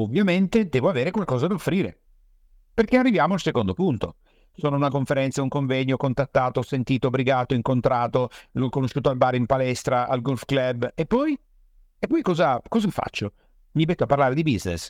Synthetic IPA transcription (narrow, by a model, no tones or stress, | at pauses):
ovːjament̪ed̪ɛːvoaveːɾekwalkɔːzad̪aofɾiːɾḛ | perkearːivjaːmoalsekond̪opunt̪o | soːnounakoɱfeɾɛnt̪sauŋkoɱvɛɲjokont̪at̪ːaːt̪osent̪iːt̪obɾiɡaːt̪oiŋkont̪ɾaːt̪olɔkːonoʃːuːt̪oalbaːɾimpalɛst̪ɾaa̰lɡolfklɛbːepːɔj | epːɔjkɔːzakɔːzafa̰t͡ʃːo | mibɛt̪ːoapːarlaːɾed̪ibiznḛs